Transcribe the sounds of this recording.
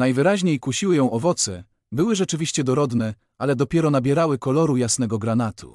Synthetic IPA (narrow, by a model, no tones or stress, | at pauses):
najvɘɾaʑɲejkuɕiwɘjɔ̃w̃ʔɔvɔt̪sɛ | bɘwɘʐɛt͡ʂɘvʲiɕt͡ɕɛd̪ɔɾɔd̪nɛ | alɛd̪ɔpʲjɛɾɔnabʲjɛɾawɘkɔlɔɾujasnɛɡɔɡɾanat̪ʰṵ